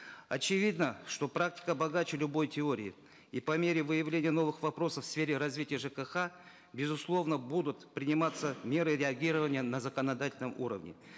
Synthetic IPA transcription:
ɐt͡ɕɪvʲid̪nəʂt̪o̞pɾak̚tʲɪ̥kəbɐɡat͡ɕɪlʲʊbo̞jtʲɪo̞ɾʲɪ̰ɪ̰ | ipɐmʲeɾʲɪvɨjɪvlʲenʲɪjəno̞vɨxvɐpɾo̞səfsfʲeɾʲɪɾɐzvʲitʲɪjəʐɨkəxa | bʲɪzʊslˠo̞vnəbud̪ʊt̪pɾʲɪnʲɪmat̪səmʲe̞ɾɨɾʲɪɐɡʲiɾəvənʲɪjənɐzəkənɐd̪atʲɪlʲnəmṵɾə̰vnʲɪ̰

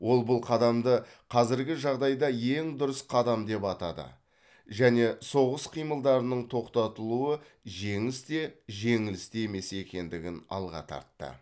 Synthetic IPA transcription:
wo̞lˠbʊlˠqʰɑd̪ɑmd̪ə | qʰɑzɪɾɡʲɪʒɑʁd̪ɑjd̪ɑje̞ŋd̪ʊɾəsqʰɑd̪ɑmd̪e̞pɑt̪ɑd̪ə̰ | ʒæne̞so̞ʁəsqʰijməlˠd̪ɑɾənəɴt̪ʰo̞qt̪ɑt̪əlˠuə | ʒe̞ŋɪst̪e̞ʒe̞ŋɪlɪst̪eme̞se̞kʲe̞nd̪ɪɡʲɪnɑ̰lˠʁɑ̰t̪ʰɑ̰ɾt̪ːə̰

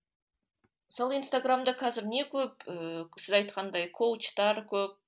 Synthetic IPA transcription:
məsɑlˠəinst̪aɡramd̪ɑqʰɑzɪɾne̞kʲʰɵp̚əsɪzɑjt̪qɑnd̪ɑjkʰowt͡ʃt̪ɑɾkʲʰɵp̚

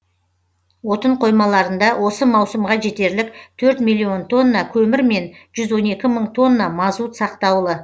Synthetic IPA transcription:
wo̞t̪əɴqʰo̞jmɑlˠɑɾənd̪ɑwʔo̞səmɑwsəmʁɑʒe̞t̪e̞ɾlɪk̚t̪ʰɵɾt̪milʲːio̞nt̪ʰo̞nːɑkʲʰɵmɪɾme̞nʒ̥ʏzwo̞ne̞kʲɪməɴt̪ʰo̞nːɑmɑzut̪sɑqt̪ɑwlˠə

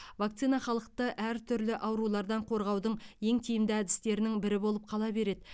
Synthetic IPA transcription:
vak̚t̪sijnɑχɑlˠəq̚t̪əʔæɾt̪ʰʏɾlɪʔɑwɾulˠɑɾd̪ɑɴqʰo̞ɾʁɑwd̪əɴje̞ŋt̪ʰijɪmd̪ɪæd̪ɪ̥st̪e̞ɾɪnɪŋbɪɾɪbo̞lˠəp̚qʰɑlˠɑbe̞ɾe̞d̪ɪ

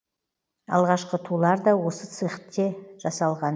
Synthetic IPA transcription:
ɑ̰lˠʁɑʃqət̪ʰulˠɑɾd̪ɑwo̞sət̪sɨχt̪ːeʒ̥ɑsɑlˠʁɑn

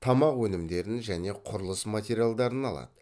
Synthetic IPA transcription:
t̪ʰɑmɑqwɵnɪmd̪e̞ɾɪnʒæne̞qʰʊɾəlˠəsmat̪ʲeɾijalˠd̪ɑɾənɑlˠɑ̰d̪ə

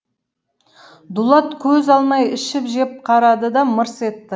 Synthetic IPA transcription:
d̪ʊlˠɑt̪kʲʰɵzɑlˠmɑjɪʃɪpʒe̞p̚qʰɑɾɑd̪əd̪ɑməɾse̞t̪ːɪ

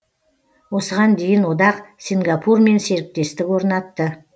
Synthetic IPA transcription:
wo̞səʁɑnd̪e̞jɪnwod̪ɑqsiŋɡɑpʰurme̞nse̞ɾɪp̚t̪e̞st̪ɪkwo̞ɾnɑt̪ːə

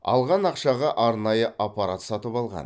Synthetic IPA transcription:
ɑ̰lˠʁɑnɑqʃɑʁɑʔɑɾnɑjəʔapaɾat̪sɑt̪əpɑlˠʁɑ̰n

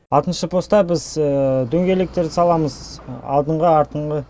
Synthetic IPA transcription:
ɑlˠt̪ənʃəpʰo̞st̪ɑbɪzd̪ɵŋɡʲe̞lek̚t̪e̞ɾd̪ɪsɑlˠɑməzɑ̰lˠd̪əɴʁəɑɾt̪əɴʁə

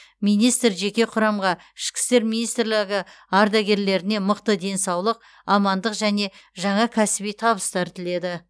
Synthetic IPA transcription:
mijnijst̪ɾʒe̞kʲe̞qʰʊɾɑmʁɑ | ɪʃkʲɪ̥st̪e̞ɾmijnijst̪ɾlɪɡʲɪ | ɑɾd̪ɑɡʲe̞ɾle̞ɾɪne̞məqt̪əd̪e̞nsɑwlˠəq | ɑmɑnd̪əqʒæne̞ʒɑɴɑkʲʰæsɪbijt̪ʰɑβəst̪ɑɾt̪ʰɪle̞d̪ɪ

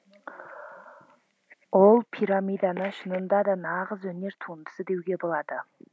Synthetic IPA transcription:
wolˠpʰiɾamijd̪ɑnəɴʃənənd̪ɑd̪ɑnɑʁəzwɵne̞ɾt̪ʰund̪ə̥səd̪e̞wɡʲe̞bo̞lˠɑd̪ə

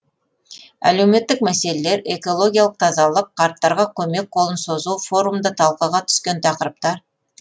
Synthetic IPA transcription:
æ̰le̞wme̞t̪ːɪk̚mæse̞leleɾe̞ko̞lˠo̞ɡʲijalˠəq̚t̪ʰɑzɑlˠəqqʰːɑɾt̪ːɑɾʁɑkʲʰɵme̞k̚qʰo̞lˠənso̞zuwfo̞ɾumd̪ət̪ʰɑlˠqəʁɑt̪ʰʏ̥skʲe̞nt̪ʰɑqəɾəp̚t̪ɑɾ

